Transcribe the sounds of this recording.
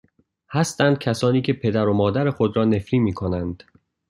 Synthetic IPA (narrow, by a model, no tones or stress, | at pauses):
hæst̪ænd̪̥̚cʰæsɒːniːcʰe̞pʰe̞d̪æɾo̞mɒːd̪æɾe̞xod̪ɾɒːne̞fɾiːmiːkʰo̞nænd̪̥